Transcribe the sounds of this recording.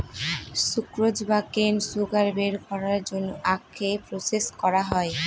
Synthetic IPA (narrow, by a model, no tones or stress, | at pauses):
sukɾod͡ʑbakensuɡaɾbeɾkɔɾaɾd͡ʑonːoʔakʰːepɾoseskɔɾaɦɔe